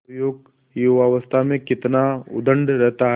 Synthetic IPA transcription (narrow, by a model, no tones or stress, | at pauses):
joːɡ | juʋaʋəst̪ʰamẽkɪt̪naʊ̰d̪ə̃ɳɖɾɛɦt̪aɦ